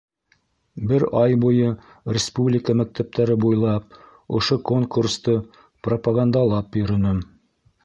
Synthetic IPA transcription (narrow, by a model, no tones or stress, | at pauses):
bɘɾɑjbujɤ | rʲɪspublʲɪkəmæk̚t̪ʰæp̚t̪æɾɘbujlˠɑp̚ | ŏʃokoŋkurst̪ɤ | propaɡand̪ɑlˠɑpjɵ̆ɾɵ̆nɵm